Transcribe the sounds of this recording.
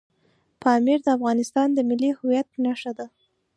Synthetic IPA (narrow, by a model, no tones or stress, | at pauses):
pɑmiɾd̪əafɣɑnɪst̪ɑnd̪əmɪlːihʊwjat̪̚pənaʂad̪a